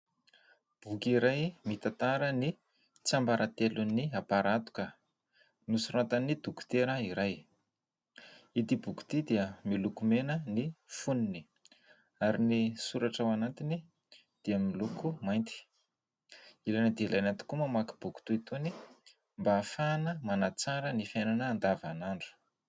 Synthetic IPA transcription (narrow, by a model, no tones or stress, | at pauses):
b̥ukiɾajmit̪at̪aɾəni | t͡sambaɾat̪eluniapaɾat̪u̥kə | nusuɾat̪anid̪uku̥t̪eɾəiɾaj | it̪ibuku̥t̪id̪iəmilukumenənifunini̥ | aɾinisuɾaʈ͡ʂawanat̪ini | d̪̥iəmilukʰumajnt̪i̥ | ilajnəd̪eilajnat̪u̥kumamaki̥b̥uku̥t̪uit̪uni | mbaːfanəmanat͡saɾənifjananəːnd̪avanaɳɖ͡ʐu̥